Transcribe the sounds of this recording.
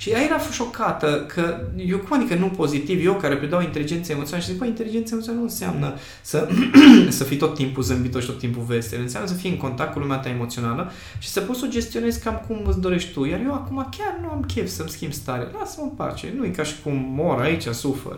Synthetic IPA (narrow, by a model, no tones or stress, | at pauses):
ʃiaeɾafʃo̞kat̪əkʰəjokumad̪ikənupo̞zit̪ivjewkaɾe̞pɾed̪awint̪e̞lid͡ʒe̞nt̪səaemot̪sionaləʃizikbəint̪e̞lid͡ʒent̪səemot̪snanuɨnsea̰mnə | sə | səfit̪o̞t̪ːimpuzɨmbit̪oʃit̪o̞t̪ːimpuve̞st̪eɨnseamnəsəfijɨŋko̞nt̪akt̪̚kulumeat̪aemot̪sio̞nalə | ʃi̥səpot̪so̞d͡ʒe̞st̪ione̞zkamkumɨt̪sd̪o̞ɾeʃt̪t̪ujarjewakumakʲarnuamkʲevsəmskʲimbst̪aɾea̰lasəmɨpa̰t͡ʃe̞̰nujikaʃi̥kummo̞ɾait͡ʃasufḛr